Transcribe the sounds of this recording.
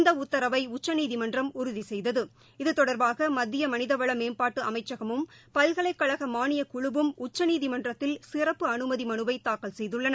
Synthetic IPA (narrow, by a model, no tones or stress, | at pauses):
nd̪ɐʊt̪ːɐɾɐʋɐɪʊt͡ʃːɐniːðimɐndrɐmʊɾʊðisɛjðɐðɯ | ɪðɯt̪ːɔɽɐɾbaːɣɐmɐd̪ːɪjɐmɐnɪðɐʋɐɭɐmeːnpaːʈːɯʔɐmɐɪt͡ʃːɐɣɐmɯm | pɐlɣɐɭɐɪkːɐɻɐɣɐmaːnɪjɐkʊɻɯʋɯmʊt͡ʃːɐniːðimɐndrɐt̪ːɪlsɪrɐpːɯɐnɯmɐðimɐnɯʋɐɪt̪aːkːɐlsɛjðɯɭːɐnɐ